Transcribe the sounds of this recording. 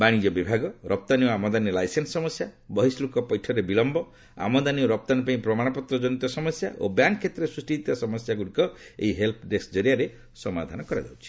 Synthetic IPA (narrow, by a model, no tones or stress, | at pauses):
baɽ̃id͡ʒɔbibʱaɡɔɾɔp̚t̪aniɔamɔd̪aniɔlajsensːɔmɔsjabɔɦislukɔpɔjʈʰɔɾebilɔmbɔ | a̰mɔd̪anioɾɔp̚t̪anipaĩpɾɔmaɽ̃ɔpɔt̪ɾɔd͡ʒɔñit̪ɔsɔmɔsja̰ʔo̰bjaŋkʰːet̪ɾesɾusʈiit̪asɔmɔsjaɡuɽikɔḛɦiɦelpʰɖesd͡ʒɔɾiaɾe | sɔma̰d̪ʱanɔkɔɾa̰d͡ʒa̰wt͡ʃʰi̥